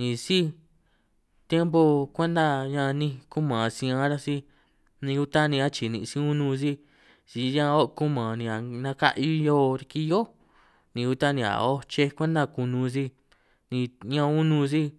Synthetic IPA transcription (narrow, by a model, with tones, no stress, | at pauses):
nĩ˨˧si˦ | t̪je˦mbo˧kʷe˦nd̪a˦ɲã˧nĩ˧ku˦mã˨sĩ˧ã˧˦ɾa˦si˦ | nĩ˧u˧t̪a˦nĩ˧a˦t͡ʃi˨nḭ̃˧sĩ˧u˦nũ˧si˦ | si˧ɲã˧o˦˧ku˦mã˨nĩ˧a˨nã˧ka̰˦ʔi˧˦jo˦˧˦ɾi˧ki˦˧jo˦ | nĩ˧u˧t̪a˦nĩ˧a̰˨o˦t͡ʃe˧kʷẽ˦nd̪a˦˧˨ku˧nũ˧s̬i˧ | nĩ˧ɲã˧u˦nũ˧si˦